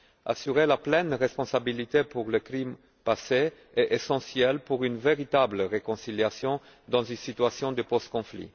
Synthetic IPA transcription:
a̰syʁelaplɛnʁɛspɔ̃sabilit̪epuʁləkʁim | pase | ɛʔesɑ̃sjɛlpuʁynveʁit̪abləʁekɔ̃siljasjɔ̃ | d̪ɑ̃zynsit̪yasjɔ̃d̪əpɔst̪̚kɔ̃flḭ

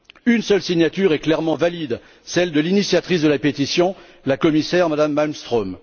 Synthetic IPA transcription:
ynsœlsiɲat̪yʁɛklɛʁmɑ̃valid̪ | sɛld̪əlinisjat̪χisd̪əlapet̪isjɔ̃ | lakɔmisɛʁmad̪amːalmst̪χɔm

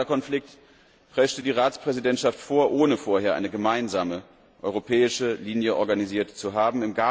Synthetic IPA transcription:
ɐkɔnflɪk̚t | pʁ̥ɛʃtədiːʁaːt͡spʁ̥ɛzidɛntʃaftfoːɐʔoːnəfoːɐheːɐʔa̰ɪnəɡəmaɪnzaːmə | ʔɔʏʁopʰɛːɪʃəliːnjəʔɔɐɡaniziːɐtt͡suɦaːbm̩ɪmɡa

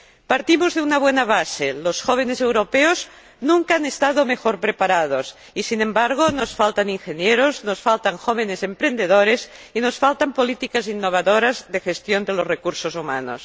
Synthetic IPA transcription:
paɾt̪imozðeunaβ̞wenaβ̞aselosxoβ̞e̞nesewɾopeoz | nũŋkaanest̪aðome̞xoɾpɾepaɾað̞os | isinẽ̞mbaɾɣ̞onosfalt̪aniŋxe̞njeɾozno̞sfalt̪aŋxoβene̞se̞mpɾe̞nd̪e̞ð̞oɾesino̞sfalt̪ampo̞lit̪ikazinːoβ̞aðoɾazðe̞xe̞st̪jond̪elozrekuɾsosuma̰no̰s

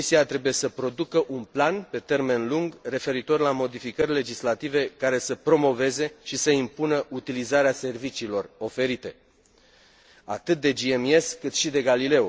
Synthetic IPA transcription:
isiat̪ɾe̞buje̞səpɾo̞d̪ukəʔunplanpe̞t̪e̞rme̞nluŋɡre̞fe̞ɾit̪o̞rʲlamo̞d̪ifikərʲle̞d͡ʒislat̪ive̞kaɾe̞səpɾo̞mo̞ve̞ze̞ʃisəimpunəʔut̪ilizaɾease̞rvit͡ʃiːlo̞ro̞fe̞ɾit̪e̞ | a̰t̪ɨt̪̚d̪e̞d͡ʒie̞mie̞skɨt̪ʃid̪e̞ɡalile̞o

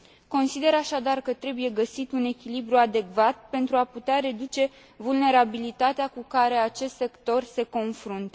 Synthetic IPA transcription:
ko̞nsid̪e̞ɾaʃad̪arkət̪ɾe̞buje̞ɡəsit̪une̞kʲilibɾuad̪e̞kvat̪̚pe̞nt̪ɾuaput̪eaɾe̞d̪ut͡ʃe̞ | vulne̞ɾabilit̪at̪eakukaɾe̞at͡ʃe̞st̪se̞kt̪o̞rse̞ko̞nfɾunt̪

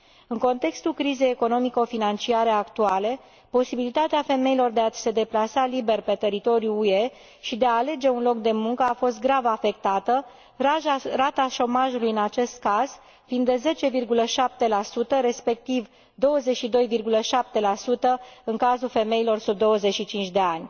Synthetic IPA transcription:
ɨŋko̞nt̪e̞kst̪ulkɾize̞jeko̞no̞miko̞finant͡ʃiaɾe̞akt̪uale̞ | po̞sibilit̪at̪eafe̞me̞ilo̞rd̪e̞ase̞d̪e̞plasalibe̞rpe̞t̪e̞ɾit̪o̞ɾijuːe̞ | ʃid̪e̞aːle̞d͡ʒe̞unlo̞k̚d̪e̞muŋkəafo̞st̪̚ɡɾavafe̞k̚t̪at̪ə | rat̪aʃo̞maʒulujɨnat͡ʃe̞st̪̚kaz̥ | find̪ːeze̞t͡ʃe̞virɡuləʃap̚t̪e̞lasut̪əɾe̞spe̞k̚t̪iv | d̪o̞wəze̞ʃid̪o̞jvirɡuləʃap̚t̪e̞lasut̪əɨŋkazulfe̞me̞ilo̞rsub̚d̪o̞wəze̞t͡ʃʃit͡ʃint͡ʃʲd̪e̞anʲ

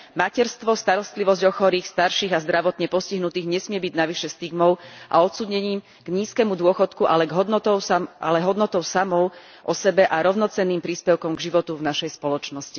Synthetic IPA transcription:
macɛɾst̪ʋɔst̪aɾɔst̪liʋɔzɟɔxɔɾiːxst̪aɾʃiːɣazd̪ɾaʋɔt̪ɲɛpɔsciɦnut̪iːɣɲɛsmɪɛbiɟnaʋiʃɛst̪iɡmɔʊʔa̰ɔt̪t͡suːdɲɛɲiːm | ɡ̥ɲiːskɛmud̪ʊɔxɔt̪kuʔalɛɡɦɔd̪nɔt̪ɔʊsʔa̰lɛɦɔd̪nɔt̪ɔʊsamɔʊ | ʔɔsɛbɛʔaɾɔʊnɔt͡sɛnːiːmpɾiːspɛʊkɔmɡʒiʋɔt̪uvnaʃɛjspɔlɔt͡ʃnɔsci

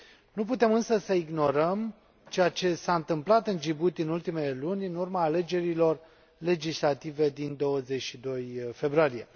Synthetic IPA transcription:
nup̬ut̪e̞mɨnsəsəiɡno̞ɾəm | t͡ʃe̞jat͡ʃe̞saɨnt̪ɨmplat̪ɨnd͡ʒibut̪ɨnult̪imeelunʲɨnurmaːle̞d͡ʒe̞ɾilo̞r | le̞d͡ʒislat̪ive̞d̪ind̪o̞wəze̞t͡ʃʲʃid̪o̞jfe̞bɾoalije

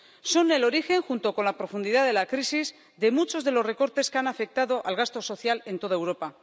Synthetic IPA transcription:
so̞ne̞lo̞ɾixe̞ŋxunt̪o̞ko̞nlapɾo̞fund̪iðaðe̞lakɾisiz | d̪e̞mut͡ʃo̞zðe̞lo̞zre̞ko̞ɾt̪e̞skeanafe̞k̚t̪aðo̞ʔalɣast̪o̞so̞θjale̞nt̪o̞ðaewɾo̞pa

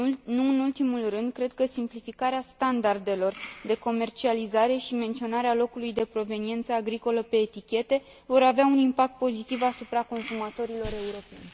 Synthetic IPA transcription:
nuɨnult̪imulrɨnd̪kɾe̞d̪̚kəsimplifikaɾeast̪and̪ard̪e̞lo̞rd̪e̞ko̞me̞rt͡ʃializaɾe̞ʃime̞nt̪sio̞naɾealo̞kulujd̪e̞pɾo̞ve̞nie̞nt̪səaɡɾiko̞ləpe̞ːt̪ikʲe̞t̪e̞ | vo̞ɾaveaunimpak̚t̪̚po̞zit̪ivasupɾako̞nsumat̪o̞ɾilo̞ɾe̞uɾo̞pe̞̰nʲ

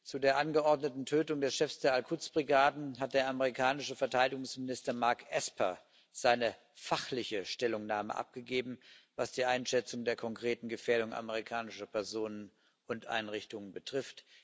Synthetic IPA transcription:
t͡sudeːɐʔanɡəʔɔɐdnətn̩tʰøːtʊŋdɛsʃɛfsd̥eːɐalkʰʊt͡sb̥ʁiɡaːdn̩ɦat̚d̥eːɐʔaməʁikʰaːnɪʃəfɛɐtʰaɪdɪɡʊŋsmɪnɪstɐmaɐkʔɛspɐ̰ | z̥aɪnə | faχlɪçəʃtɛlʊŋnaːmə̰ʔa̰p̚ɡ̥əɡeːbm̩vasd̥iːʔaɪnʃɛt͡sʊŋdeːɐkʰɔŋkʁ̥eːtn̩ɡəfɛːɐɾʊŋʔa̰məʁ̞ikʰaːnɪʃɐpʰɛɐzoːnən | ʊntʔa̰ɪnʁɪçtʊŋənbətʁ̥ɪft

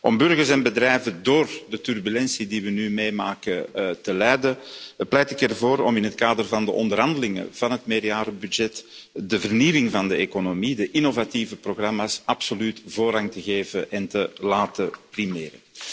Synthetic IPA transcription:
ʔɔmbʏrɣərsɛnbədrɛjvədoːrdətyrbylɛnsidiʋənymeːmaːkətəlɛjdəplɛjtɪkɛrvoːɾɔmɪnɦət̚kaːdərvɑndəʔɔ̰ndərɦɑndəlɪŋə̰v̥ɑnɦətmeːrjaːɾəbydd͡ʒɛtdəvərniːʋɪŋvɑndəekonomidəʔɪnovativəproɣrɑmaːsɑpsolytvoːrɦɑŋtəɣeːvəʔɛntəlaːtəprimeːɾə

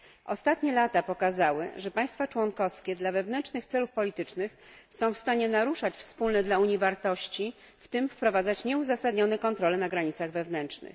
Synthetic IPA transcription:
ʔɔst̪at̪ɲɛlat̪apɔkazawɘ̰ʐɛpaj̃st̪fat͡ʂwɔnkɔfskʲɛd̪lavɛvnɛnt͡ʂʂnɘxt̪sɛlufpɔlʲit̪ɘt͡ʂnɘxsɔ̃w̃fst̪aɲɛnaɾuʂat͡ɕfspulnɛd̪lauɲivaɾt̪ɔɕt͡ɕi | ft̪ɘmfpɾɔvad̪zat͡ɕɲɛuzasad̪ɲɔnɛkɔnt̪ɾɔlɛnaɡɾaɲit̪saɣvɛvnɛnt͡ʂnɘ̰x

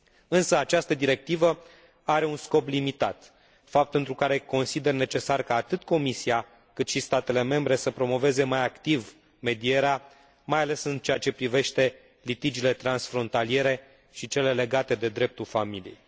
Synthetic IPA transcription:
ɨnsəat͡ʃast̪əd̪iɾe̞k̚t̪ivə | aɾe̞unsko̞plimit̪at̪ | fap̚t̪ent̪ɾukaɾe̞ko̞nsid̪e̞rne̞t͡ʃe̞sarkaːt̪ɨt̪ko̞misia | kɨt̪ʃist̪at̪e̞le̞me̞mbɾe̞səpɾo̞mo̞ve̞ze̞majakt̪iv | me̞d̪ie̞ɾea | majale̞sɨnt͡ʃe̞at͡ʃe̞pɾive̞ʃt̪e̞ | lit̪id͡ʒile̞t̪ɾansfɾo̞nt̪alie̞ɾe̞ | ʃit͡ʃe̞le̞le̞ɡat̪e̞d̪e̞d̪ɾe̞p̚t̪ulfamilḭjej

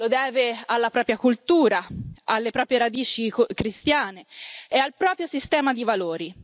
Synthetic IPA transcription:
lod̪ɛːvealːapɾɔːpɾjakult̪uːɾaalːepɾɔːpɾjeɾad̪iːt͡ʃikkɾist̪jaːneealpɾɔːpɾjosist̪ɛːmad̪ivaloːɾi

